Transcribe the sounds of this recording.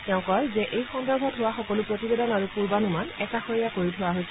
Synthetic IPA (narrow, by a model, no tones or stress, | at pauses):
tɛʊ̃kɔɹzɛʔejxɔndɔɹbʱɔtʰʊwaxɔkɔlʊpɹotibedɔnaɹupuɹbanumanɛkaxoɹijakoɹitʰʊwaɦojsɛ